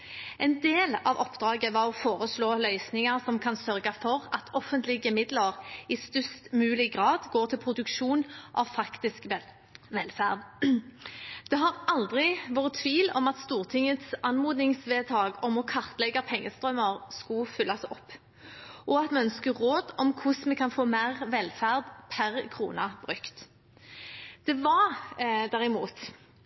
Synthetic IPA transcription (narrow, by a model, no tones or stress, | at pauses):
ɛɪnd̪eːlɑʋɔpd̪ʁɑːɡəʋɑʁɔfoːʁəsloːlœʏsnɪŋɑʁsɔmkʰɑnsœʁɡɑfɔʁɑt̪ʰɔfənt̪lɪɡəmɪd̪ləʁɪst̪ʏst̪mʉːlɪɡʁɑːd̪ɡoːʁt̪ʰɪlpʰʁʊd̪ʉkʃuːnʔɑ̰ʋfɑkt̪ɪsk | ʋɛlfæ̰ʁd̪ | d̪̥ɛɦɑʁʔɑld̪ʁɪʋoːʁət̪ʰʋiːlɔ̰mɑt̪st̪uːʁt̪ʰɪŋət̪sɑnmuːd̪nɪŋsʋeːt̪ʰɑːɡɔmɔkʰɑʁt̪lɛɡɑpʰɛŋːəst̪ʁœməʁskʊfʏlːɑsɔpː | ʔɔɑt̪mɛœnskəʁoːd̪ɔmkʰʊsmɛkʰɑnfoːmeːʁʋɛlfæʁd̪pʰæʁkʰʁṵːnɑb̥ʁʉkt̪ | d̪̥ɛʋɑʁd̪æʁɪmuːt̪